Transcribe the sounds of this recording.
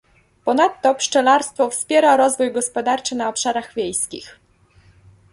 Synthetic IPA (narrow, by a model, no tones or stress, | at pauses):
pɔnat̪ːɔpʂt͡ʂɛlaɾst̪fɔfspʲjɛɾaɾɔzvujɡɔspɔd̪aɾt͡ʂɘnaɔpʂaɾaɣvʲjejskʲḭx